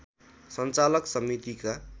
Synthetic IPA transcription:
sənt͡saləksʌmit̪ika

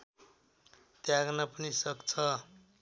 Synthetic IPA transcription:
t̪jaɡnapʌnisʌkt͡sʰʌ

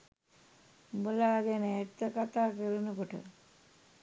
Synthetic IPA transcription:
bəlaːɡɛnəɛt̪ːəkat̪aːkəɾənəkoʈə̰

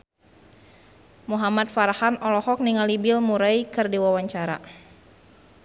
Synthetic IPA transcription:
muɦamat̪faɾahanɔlɔhɔk̚niŋalibɪlmuɾaikɨrdiwawaɲt͡ʃaɾa̰

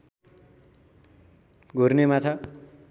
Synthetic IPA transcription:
ɡʱornemat͡sʰʌ

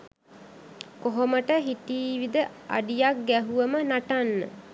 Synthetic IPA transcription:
koɦoməʈəɦiʈiːʋid̪əa̰ɖijak̚ɡæɦuʋəmənaʈanːə̰

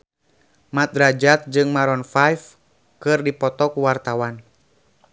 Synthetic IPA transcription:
mat̪̚ɾad͡ʒat̪̚d͡ʒɨŋmaɾɔnfajf | kɨrdipɔt̪ɔkuwart̪awan

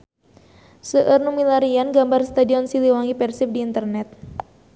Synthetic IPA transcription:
səʔərnumilaɾianɡambarst̪adiɔnsiliwaŋipɛrsɪp̚diːnt̪ərnɛt̪̚

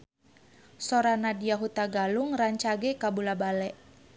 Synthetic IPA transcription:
sɔɾanadiaɦut̪aɡaluŋraɲt͡ʃaɡɛkabulabalɛʔ

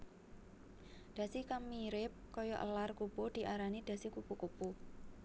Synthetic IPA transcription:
d̪̥ä̤sikamiɾɪp̚kɔjɔʔə̰larkub̥od̪̥i̤ʔaɾanid̪̥a̤sikupukupu

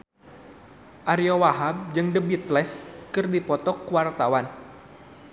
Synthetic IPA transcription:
ʔaɾiowaɦab̚d͡ʒɨŋdəbit̪lɛskɨrdipɔt̪ɔkwart̪awan

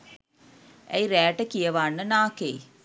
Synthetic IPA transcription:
æ̰iɾæːʈəkijəʋanːənaːkej

